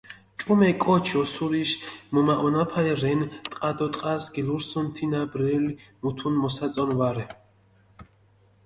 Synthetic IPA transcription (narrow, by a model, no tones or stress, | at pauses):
t͡ʃʼumɛkʼɔt͡ʃʰɔsuɾiʃmɔmaʔɔnapʰaiɾɛnt̪ʼqʼad̪ɔt̪ʼqʼasɡiluɾsɔnt̪ʰinabɾɛlimut̪ʰunmɔsat͡sʼɔnvaɾɛ